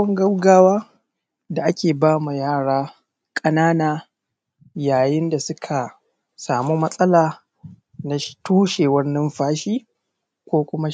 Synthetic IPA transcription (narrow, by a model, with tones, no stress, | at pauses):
ɐ˦ŋɡɐ˦wɡaː˦waː˦ | da˨ʔa˦kʲeː˨baː˦mu˨jaː˦˨ɽaː˦ | kʼɐ˦naː˦naː˨ | jaː˨jɪ˦nda˨sʊ˦kʰa˨ | saː˨mu˦mɐ˦sʼɐ˦laː˨ | na˨ʃtuː˦ʃeː˨wɐ˦nːɪ˦mɸaː˦ʃiː˦ | kʷoː˦kʷʊ˦ma˦